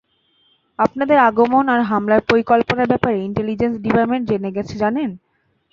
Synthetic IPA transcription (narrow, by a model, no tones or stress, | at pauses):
apnad̪eɾaɡomonaɾɦamlaɾpoɾikolponaɾbɛpaɾeiɳʈelid͡ʑensɖipaɾmeɳʈd͡ʑeneɡɛt͡ɕʰed͡ʑanen